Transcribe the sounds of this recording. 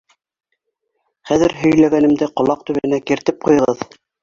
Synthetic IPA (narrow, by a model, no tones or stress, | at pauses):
χæðɘɾɦɵ̆jlæɡænɘ̆md̪ɘqŏlˠɑq̚t̪ʉβɘ̆ɘ̆nækiɾt̪ɘp̚qujɤ̆ʁɤð